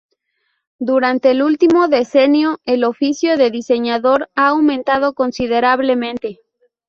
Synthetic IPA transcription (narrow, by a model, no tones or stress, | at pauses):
d̪uɾant̪e̞ːlult̪imo̞ðe̞se̞njo̞elo̞fisjo̞ðe̞ðise̞ɲaðo̞ɾaːwmẽ̞nt̪að̞o̞ko̞nsið̞e̞ɾaβle̞mẽnt̪e̞